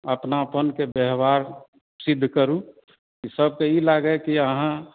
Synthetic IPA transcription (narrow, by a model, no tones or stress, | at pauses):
əpnapənkebeɦbaːɾ | sɪd̪ʱːkəɾũ | kisəb̚keilaɡəkiəɦã